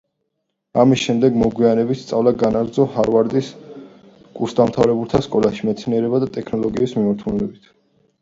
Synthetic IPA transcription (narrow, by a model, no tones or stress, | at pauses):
amisʃɛmd̪ɛɡmɔɡwianɛbit̪st̪sʼavlaɡanaɾd̪zɔhaɾvaɾd̪is | kʼuɾsd̪amt̪ʰavɾɛbulˠt̪ʰaskʼɔlaʃimɛt̪sʰniɛɾɛbad̪at̪ʼɛkʰnɔlˠɔɡiːsmimaɾt̪ʰulɛbit̪ʰ